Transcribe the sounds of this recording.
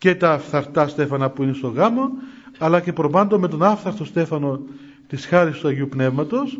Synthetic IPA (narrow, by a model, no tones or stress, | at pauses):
ce̞t̪ɐːfθɐɾt̪ɐst̪e̞fɐnɐpuinest̪o̞ɣɐmo̞ɐlɐce̞pɾo̞pɐnd̪o̞me̞t̪o̞nɐfθɐɾt̪o̞st̪e̞fɐno | t̪isxɐɾist̪uɐʝiupne̞vmɐt̪o̞s